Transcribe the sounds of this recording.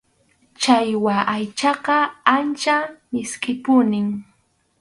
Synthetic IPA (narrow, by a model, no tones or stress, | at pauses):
t͡ʃajwaʔajt͡ʃɑqɑant͡ʃamɪskɪpʊnɪŋ